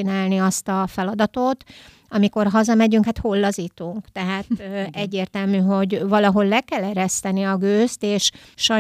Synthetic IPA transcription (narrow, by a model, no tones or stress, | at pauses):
inaːlniɒst̪ɒfɛlɒd̪ɒt̪ot̪ | ɒmiko̞rɦɒzɒmɛɟyŋkhat̪ho̞lːɒzit̪uŋkt̪ɛɦaːt̪ɛɟːeːrt̪ɛlmyːɦo̞ɟvɒlɒɦo̞llɛkɛlɛɾɛst̪ɛniɒɡøːst̪eːʃʃɒ